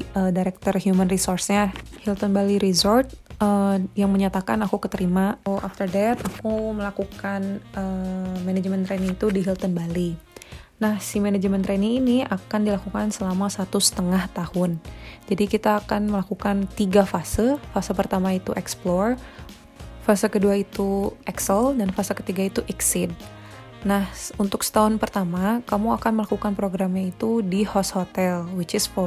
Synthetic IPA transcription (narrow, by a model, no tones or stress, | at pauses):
ədaɾɛk̚t̪ɔrhjumənrisɔrsɲahilt̪ənbaliɾizɔrt̪̚əjaŋməɲat̪akanakukət̪əɾimaoʔaft̪ərdɛt̪akuməlakukanʔəmenɛd͡ʒmɛnt̪ɾɛniŋit̪udiɦilt̪ənbali | nahsimenad͡ʒəmɛnt̪ɾɛniŋːniakandilakukansəlamasat̪usə̥t̪əŋaht̪ahʊnd͡ʒadikit̪aːkanməlakukant̪iɡafasəfasəpərt̪amait̪ṵʔɛksplɔr | fasəkəduait̪uʔɛksəldanfasəkə̥t̪iɡait̪uʔɛksɪd̚ | nahunt̪ʊksə̥t̪aɦʊnpərt̪amakamuakanməlakukanpɾoɡɾamɲait̪udihɔshot̪ɛlwit͡ʃɪsfɔ